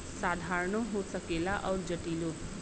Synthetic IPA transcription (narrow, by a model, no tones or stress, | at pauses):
saːd̪ʱaːɾɳõɦosəkeːlaʔɔːɾd͡ʒəʈiːlo